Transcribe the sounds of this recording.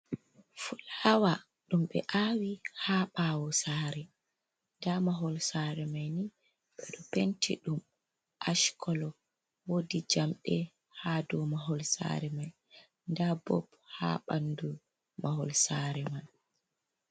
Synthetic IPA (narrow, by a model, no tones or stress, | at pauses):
fulhawa | ɗumɓɛ̰ʔaːwihaɓaːwɔsaːɾɛ | ndamaɦɔlsaːɾɛmajni | ɓɛɗɔpentʰḭɗum | ʔaʃkʰɔlɔ | wodid͡ʒamɗɛ | hadɔmaɦɔlsa̰ɾɛmaj | ndabɔ̰b | ha̰ɓandu | maɦɔlsaɾɛman